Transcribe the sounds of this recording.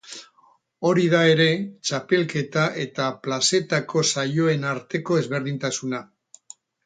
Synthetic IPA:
o̞ɾiðae̞ɾe̞t͡ʃape̞lke̞t̪aʔe̞t̪aplase̞t̪ako̞sajo̞e̞naɾt̪e̞ko̞ezβe̞ɾðint̪asuna

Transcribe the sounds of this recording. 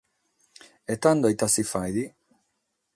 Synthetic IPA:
et̪and̪oit̪asifajd̪i

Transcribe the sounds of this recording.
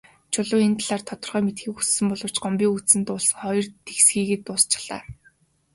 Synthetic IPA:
t͡ɕʰʊɮʊːent̪ʰaɮaːrt̪ʰɔt̪ɞ̆rʁœːmet̪xiːkussɘ̆mpɔɮʊ̆r̥t͡ɕɢɔmpʲiːŋut͡sɘ̆nt̪ʊːɮs̆ŋχɔjɞ̆rt̪ʰexsɡiːɣĕːt̪ːʊːst͡ɕɪ̥̆ɮ̥a̰ː

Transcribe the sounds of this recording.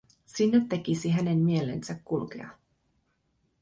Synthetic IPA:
sinːet̪ːe̞kisiɦæne̞mmie̞le̞̰nsækːulkḛɑ̰

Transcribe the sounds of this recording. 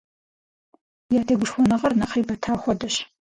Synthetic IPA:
jaːtʰeːɡʷʊʃxʷɔnɐʁɐrnɐqiːbɐtʰaːxʷɔdɐɕ

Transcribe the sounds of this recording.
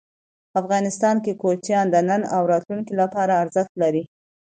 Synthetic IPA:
afɣɑnɪst̪ɑnkekot͡ʃjɑnd̪ənənawɾɑt̪luŋkilapɑɾaːɾzəxt̪laɾi

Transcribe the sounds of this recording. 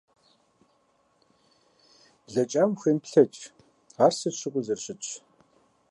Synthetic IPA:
ɮɐt͡ʃʼaːmxʷenpɬɐt͡ʃʼ | arsɨɕɨkʷʼuzɐrɕɪt͡ɕ

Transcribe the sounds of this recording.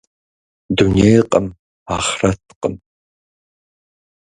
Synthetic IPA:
d̪unejqʼəm | aːχrɐtʰqəm

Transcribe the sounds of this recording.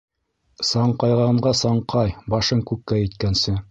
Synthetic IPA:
sɑɴqɑjʁɑɴɢɑsɑɴqʰɑjbɑʃɤŋkʉkːæjɘ̆t̪kænsɘ

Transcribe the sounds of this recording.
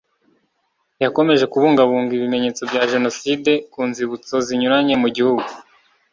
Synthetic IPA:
jako̞me̞ʒe̞kuβuːŋɡaβuːŋɡiβime̞ɲe̞ːt͡so̞bɟaʒe̞no̞side̞kuːnziβut͡so̞ziɲuɾaɲe̞muɟihuɡu

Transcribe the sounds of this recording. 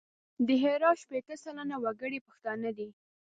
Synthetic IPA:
d̪əɦeɾɑʃpet̪əsalanawaɡəɽepəxt̪ɑnəd̪i

